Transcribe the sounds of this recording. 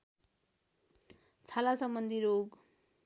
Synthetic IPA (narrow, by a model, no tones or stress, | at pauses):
t͡sʰalasʌmbʌnd̪ʱiɾoɡ